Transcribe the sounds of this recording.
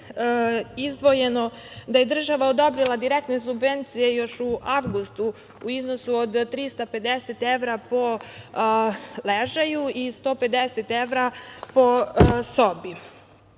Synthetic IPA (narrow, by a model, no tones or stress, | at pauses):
izd̪ʋo̞je̞no̞ | d̪aje̞d̪r̩ʒaʋaod̪o̞bɾilˠad̪iɾek̚t̪nesubʋe̞nt̪sije̞jo̞ʃuʔaʋɡust̪u | uizno̞suod̪t̪ɾiːst̪ape̞d̪eset̪e̞ʋɾapo̞ | leʒajuist̪o̞ːpe̞d̪eset̪e̞ʋɾapo̞so̞bi